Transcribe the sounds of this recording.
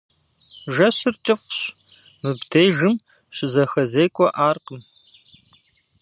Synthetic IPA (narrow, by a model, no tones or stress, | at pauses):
ʒɐɕɨrt͡ʃʼɪfʷɕ | mɨbdʰejʒɨm | ɕɪzɐxɐzejkʷʼɔʔaːrqəm